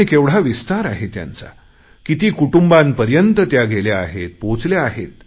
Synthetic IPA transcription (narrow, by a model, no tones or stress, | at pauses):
ikeʋɽ̤aʋist̪aɾaɦet̪ja̰nt͡sa̰ | kit̪iːkuʈumbãnpəɾjənt̪ət̪jaɡelaaɦet̪̚põt͡sljaaɦet̪